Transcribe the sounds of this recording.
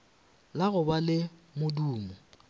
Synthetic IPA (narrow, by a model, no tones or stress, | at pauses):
laɣʊbalɪmʊduːmɔ